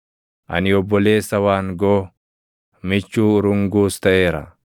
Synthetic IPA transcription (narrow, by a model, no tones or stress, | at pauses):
ʔɐ̰nɪɔbːɔle̞ːsːɐwaːŋɡoː | mɪt͡ʃːuːɾʊŋɡuːst̪ɐʔe̞ːɾɐ̰